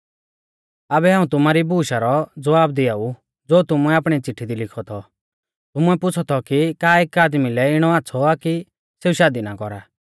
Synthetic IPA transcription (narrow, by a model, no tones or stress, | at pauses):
abɛɦãːũt̪ʊmaɾibuːʃaɾɔd͡zɔʋaːbd̪ɪaːu | d͡zoːt̪ʊmʊɛaːpɽ̃it͡sɪʈʰːid̪ilɪkʰɔt̪ʰɔ | t̪ʊmʊɛpʊt͡sʰɔt̪ʰɔkikaːeːkaːd̪milɛɪɽ̃ɔaːt͡sʰɔaki | seuʃaːd̪inakɔɾa